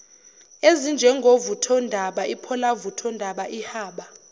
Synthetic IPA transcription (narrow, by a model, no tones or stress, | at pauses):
ezind͡ʒʱɛŋɡʱovutʰɔndʱaɓaʔipʰɔlavutʰɔndʱaɓaʔihaːɓa